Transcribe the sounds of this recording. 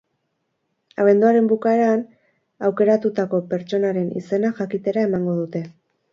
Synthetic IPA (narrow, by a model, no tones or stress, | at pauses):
aβ̞e̞nd̪uaɾe̞mbukae̞ɾan | awke̞ɾat̪ut̪ako̞pe̞ɾt͡ʃo̞naɾe̞nḭse̞naʝakit̪e̞ɾae̞maŋɡo̞ðut̪e̞